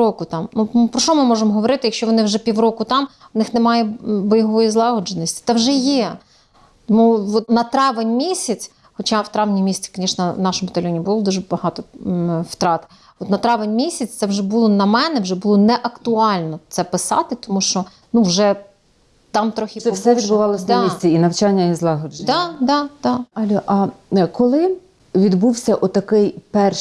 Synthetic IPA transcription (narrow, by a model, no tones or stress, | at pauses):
ɔkʊt̪ɑmnupɾɔʃt͡ʃɔmɪmɔʒemɔɦɔʋɔɾɪt̪ɪjɐkʃt͡ʃɔʋɔnɪwʒɛpʲiwɾɔkʊt̪ɑm | ʋnɪxnemɑjɛbɔjɦɔʋɔjizlˠɑɦɔd͡ʒenɔsʲtʲi̥t̪ɛwʒɛjɛ | t̪ɔmuʋɔt̪nɐt̪ɾɑʋenʲmʲisʲɐt͡sʲ | xɔt͡ʃɑʋwt̪ɾɑʋnʲimʲisʲt͡s̪ʲi̥kɐnʲiʃnɐnɑʃɔmbɐt̪ɐlʲɔnʲibʊlˠɔd̪uʒbɐɦɑt̪ɔwt̪ɾɑt̪ɪ̥ | ɔt̪nɐt̪ɾɑʋenʲmʲisʲɐt͡sʲt̪sɛwʒɛbulˠɔnɐmɛnɛwʒɛbʊlˠɔnɛʔɐkt̪ʊɑlʲnɔt̪sɛpɪsɑ̰t̪ɪt̪ɔmuʃt͡ʃɔ | nuwʒɛ | t̪ɑmt̪ɾɔxʲisɛʋʲidbʊʋɑlˠɔsʲnd̪ɑmisʲt͡sʲiinɐwt͡ʃɑnʲːɐizlˠɑɦɔd͡ʒd̪ɑd̪ɑd̪̥ɑɐlʲɔʔɐkɔlˠɪ | ʋʲid̪buwsʲɐʔɔt̪ɐkɪjpɛr